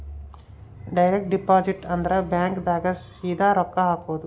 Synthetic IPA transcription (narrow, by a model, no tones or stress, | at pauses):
ɖɐjɾek̚ʈ̚ɖipaːd͡ʒiʈɐnd̪ɐɾɐbjaːŋkd̪aːɡɐsiːd̪ʱaːɾɔkːɐɦaːkoʋɐd̪u